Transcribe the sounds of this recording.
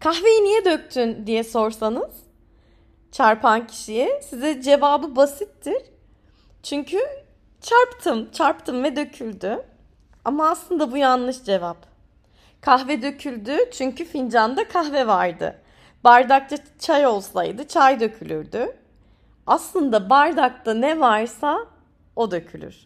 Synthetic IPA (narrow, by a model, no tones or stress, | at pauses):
kʰaxve̞jinijɛd̪øc̚t̪ʰynd̪ijɛso̞ɾsanɯz̥ | t͡ʃʰaɾpʰancʰi̥ʃijɛsizɛd͡ʒe̞vaːbɯbasit̪ʰːiɾ̥ | t͡ʃʰyɲcʰy | t͡ʃʰaɾpt̪ʰɯmt͡ʃʰaɾpt̪ʰɯmvɛd̪ø̞cʰylʲd̪y | amaːslˠɯnd̪abujanlˠɯʃd͡ʒe̞vap | kʰaxvɛd̪ø̞cʰylʲd̪yt͡ʃʰyɲcyfind͡ʒand̪akʰaxvɛvaɾd̪ɯ̰ | baɾd̪ak̚t̪ʰa | t͡ʃʰajo̞lˠsa̰jd̪ɯt͡ʃʰajd̪ø̞cʰylʲyɾd̪y | aslˠɯnd̪abaɾd̪ak̚t̪anɛvaɾsa | o̞d̪ø̞cʰylʲy̰ɾ̥